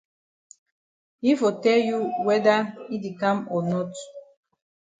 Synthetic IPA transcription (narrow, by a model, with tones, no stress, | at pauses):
i˦fo˨tɛ˦lju˦wɛ˦da˦i˦de˨kã˦mɔ˨nɔ˦t